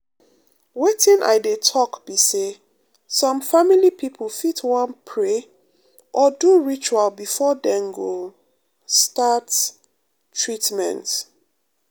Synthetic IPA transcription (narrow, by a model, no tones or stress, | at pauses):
wetʰĩnʔa̰jdetʰɔkb̥ise | sɔ̃mfamilipʰipʰlfitʰwãnpʰɹe | ʔɔduɹit͡ʃualbifɔdɛ̃nɡo | stat | tʰɹitmɛ̰̃nt